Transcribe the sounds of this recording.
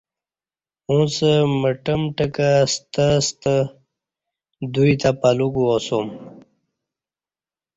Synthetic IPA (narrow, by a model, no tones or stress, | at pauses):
ũsəməʈəmʈəkast̪əst̪ə | d̪uit̪apaluɡuosom